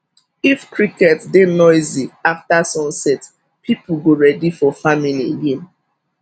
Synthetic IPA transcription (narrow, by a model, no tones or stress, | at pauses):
ifkɹikɛtdenɔɪziaftasɔ̃nsɛt | pʰipuɡoɹɛdifɔfamilieɡẽn